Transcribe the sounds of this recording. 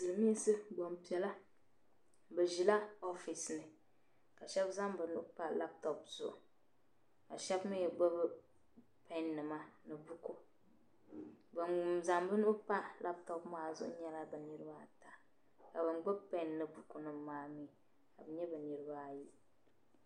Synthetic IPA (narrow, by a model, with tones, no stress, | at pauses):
zɨ˨lɨ˨mi˦ɛ˦sɨ˦ɡ͡bo˨mpi˨ɛ˨la˦ | bɛ˨ʒi˨la˦o˦fi˨snɨ˨ | ka˨ʃɛ˦bza˦m˦bɛ˨nu˦ʔʊ˦pa˦la˦p̚tɔ˨pz̥ʊ̰˨ʔʊ˨ | ka˨ʃɛ˦bmi˦jɡ͡bɛ˦bɨ˦ | pɛ˦nːɨ˨ma˦nɨ˨bu˦ko˦ | bɛ˨za˨mbɨ˦nu˦pa˦la˦p̚tɔ˦pmaː˦zʊ̰˦ʔʊ̰˦ɲɛ˦la˦bɛ˨nɨ˦ɾɨ˦ba˦ta˨ | ka˨bɛ˨ŋɡ͡bɛ˦bpɛ˦nːɨ˨bu˨ku˨nɨ˨maː˨˦mi˨ | ka˨bɛ˨˦ɲɛ˦bɛ˨nɨ˨ɾɨ˦ba˦˨ji˦